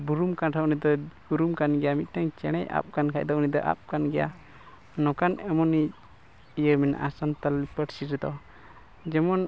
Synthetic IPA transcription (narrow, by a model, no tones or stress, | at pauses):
buɾumkanʈʰaunid̪ɔbuɾumkanɡɛjamit̪̚tɛŋt͡ʃɛɽ̃ɛjʔa̰p̚kankʰaʔ̚d̪ɔunid̪ɔ̰ʔa̰p̚kanɡɛja̰ | nɔkanɛmɔni | ijəɾmina̰ʔasant̪alipəʈsiɾɛd̪ɔ̰ | d͡ʒɛmɔn